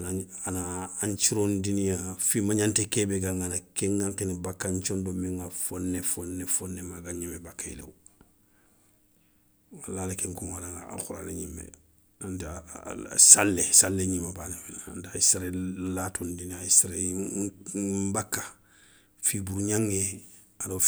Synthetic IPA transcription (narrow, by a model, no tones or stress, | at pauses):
anaanaaɲt͡ʃiɾondinijafimaɲantekeːbeɡãŋanakeŋɡaŋkinibakːaɲt͡ʃõndomĩŋɡafonːefonːefonːemaɡaɲimebakːaḭlḛwo | walaːlekeŋkoŋwalaŋaa̰lxuɾa̰lḛɲimːḛ | anta̰ | salːesalːeɲimːabaniminaa̰ntaisɾellatʰondinijaisɾa | bakːḁ | fibuɾuɲaŋːe | ado